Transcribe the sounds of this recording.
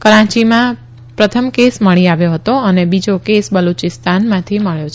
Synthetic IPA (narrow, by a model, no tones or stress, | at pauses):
kəɾãt͡ʃimã | pɾət̪ʰəmkesməɭiaʋjoɦət̪oənebid͡ʒokesbəlut͡ʃɪst̪anmãt̪ʰiməɭjot͡ʃʰ